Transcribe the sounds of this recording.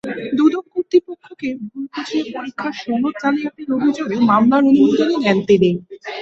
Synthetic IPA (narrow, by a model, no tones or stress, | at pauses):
d̪ud̪omkoɾt̪ipokʰːokebʱulkʰot͡ɕʰepoɾikʰːaɾʃɔnot̪̚d͡ʑaniaʈiɾobʱid͡ʑoɡmamlaɾonumod̪onenɛnt̪ene